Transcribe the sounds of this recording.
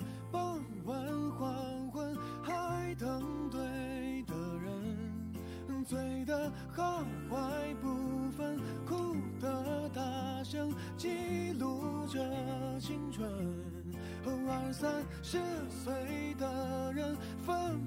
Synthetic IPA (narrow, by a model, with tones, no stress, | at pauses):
pɑ˥˧˩ŋ | wə˧˦nxwa˧nxwə˥n | xa˧ɪt̪ʰɤ˧˥ŋt̪we˥˧ | ɪd̪ə˩ɻə˧˦n̩˧ | swe˧˥ɪd̪ə˧ | xɑ˥˩ŋwa˧˥ɪpu˧˩fə˥˧n | kʰu˥d̪ə˧˩t̪a˧˩ʂə˥ŋ | t͡ɕi˥lu˧˥ʈ͡ʂə˧t͡ɕʰi˥ŋʈ͡ʂʰwə˧ | o˧˥ʊə˧˥sa˥n | ʂɻ̩˥˩ | swe˧˥ɪd̪ə˧ɻə˧n | fə˥n